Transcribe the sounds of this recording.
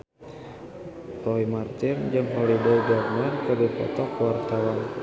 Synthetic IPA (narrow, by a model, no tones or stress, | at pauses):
rɔimart̪ɪnd͡ʒɨŋɦɔlidajɡarnarkɨdipɔ̰t̪ɔkwart̪awan